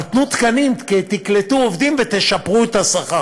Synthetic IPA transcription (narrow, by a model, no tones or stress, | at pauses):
t̪nut̪kanimket̪iklet̪uovd̪imvet̪eʃapʁuet̪asaχa